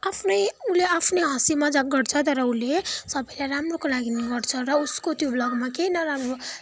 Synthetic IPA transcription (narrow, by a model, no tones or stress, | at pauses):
apʰnʌjuleapʰneɦʌsimad͡zaɡʌɽt͡sʰʌt̪ʌɾʌulesʌbʌjlajɾamrokolaɡinʌɡʌrt͡sʰʌɾʌuskot̪joblʌɡmakejnʌɾamro